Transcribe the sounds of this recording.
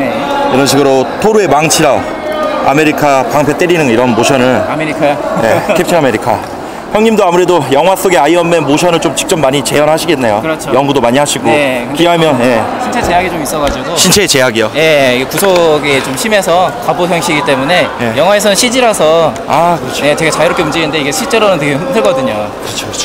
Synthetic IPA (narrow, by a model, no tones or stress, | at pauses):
e | iɾʌnɕʰiɡɯɾotʰoɾue̞maŋt͡ɕʰiɾa | a̰me̞ɾikʰapaŋpʰet͈eɾinɯniɾʌnmoɕʰjʌnɯɭameɾikʰaje̞kʰep̚t͡ɕʰinameɾikʰa | çjʌŋɲimdoamuɾe̞dojʌŋɦwas͈oɡeaiʌmːenmoɕʰʌnɯɭt͡ɕomt͡ɕi̥k̚t͡ɕ͈ʌmːaɲit͡ɕe̞jʌnɦaɕʰiɡenːe̞jokɯɾʌt͡ɕʰojʌŋɡudomaɲiɦaɕʰiɡokkiɦamjʌnje̞ɕʰint͡ɕʰet͡ɕe̞jaɡit͡ɕomis͈ʌɡad͡ʑiɡoɕʰint͡ɕʰe̞ːt͡ɕe̞jaɡijoje̞iɡekusʰoɡet͡ɕomɕʰime̞sʰʌkaboçjʌŋɕʰiɡit͈e̞mune̞jejʌŋɦwae̞s̬ʰʌnɯnɕʰid͡ʑiɾasʰʌ | akɯɾʌt͡ɕʰje̞t͡ɕe̞ɡat͡ɕaiɾʌkʰeumd͡ʑinɯnde̞iɡe̞ɕʰiɭt͡ɕ͈e̞ɾonɯnteɡeɸɯndɯɭk͈ʌdɯɲokɯɾʌt͡ɕʰo